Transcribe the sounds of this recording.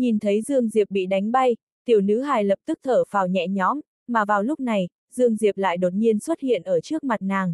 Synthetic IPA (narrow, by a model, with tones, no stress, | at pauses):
ɲi˨˩nt̪ʰə˨˦jzɨ˧əŋzi˨˩əp̚ɓḭ˧˨ɗa˨˦jŋ̟ɓa˧j | t̪i˧˩əwnɨ̰˧˥ɦaː˨˩jlə˨˩p̚t̪ɨ˦˥k̚t̪ʰəː˧˩faː˨˩wɲɛ̰˧˨ɲɔ˨˦m | maː˨˩vaː˨˩wlʊ˦˥k͡p̚na˨˩j | zɨ˧əŋzi˨˩əp̚la̰ː˧˨jɗo˨˩t̚ɲi˧ənswə˦˥t̚hḭ˧˨ənʔəː˧˩t͡ɕɨ˦˥ək̚ma˨˩t̚naː˨˩ŋ